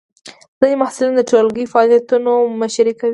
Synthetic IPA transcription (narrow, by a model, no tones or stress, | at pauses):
d̪̥ajemahsulind̪əʈolɡifaɑlijat̪unomaʃɾikawi